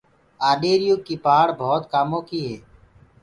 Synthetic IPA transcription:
aːɗeːɾjuːkiːpaːɽbʱɔːt̪kaːmõːkiːɦɛː

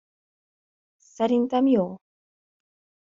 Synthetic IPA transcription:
saɾint̪amio

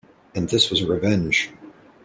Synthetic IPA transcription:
ɨ̃nðɪswʌzəɹɨvɛ̃nʒ̥

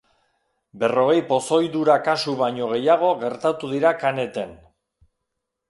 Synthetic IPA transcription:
be̞ro̞ɣ̞e̞jpo̞so̞jðuɾakasuβaɲo̞ɣ̞e̞jaɣ̞o̞ɣe̞ɾt̪at̪uðiɾakane̞t̪e̞n

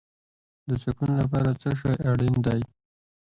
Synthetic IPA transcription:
d̪əsakunolap̬ɑɾat͡səʃ̬ɑjaɽind̪aj

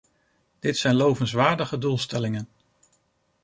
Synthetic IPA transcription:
d̥ɪtsɛjnlowvənsʋaːɹdəχədulˠstɛlɪŋən

